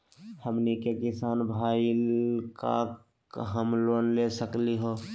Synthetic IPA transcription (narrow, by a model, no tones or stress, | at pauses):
həmnikekɪsaːnbʱaːilka̰ | ɦəmlwənlesəkliɦoː